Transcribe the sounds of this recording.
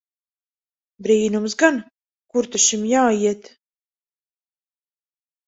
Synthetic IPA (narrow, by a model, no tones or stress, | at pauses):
bɾiːnums̬ɡan | kuɾt̪uʃimjaːjiɛt̪